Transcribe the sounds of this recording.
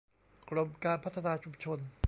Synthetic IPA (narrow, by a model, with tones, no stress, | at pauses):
kɾo˧mkaː˧npʰa˦˥t̪ʰːa˧naː˧t͡ɕʰu˧mt͡ɕʰo˧n